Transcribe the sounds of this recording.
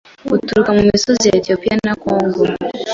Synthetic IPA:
utuɾukamumisɔzijaɛtiɔpianakɔŋɡɔ

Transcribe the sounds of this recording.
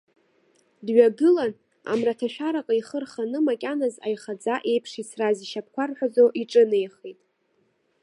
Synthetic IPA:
dɥaɡɨlan | a̰mratʰaʃᶣaɾakʼaiχərχanɨmakʲʼanaza̰jχad͡zaʔe̞jpʰʂisraziʃap̚ʰkʷʰarħʷᶣazoʔiʈ͡ʂʼɨnejχejtʼ

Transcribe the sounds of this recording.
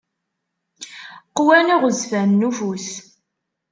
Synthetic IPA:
qwæniʁəzvænːuvus

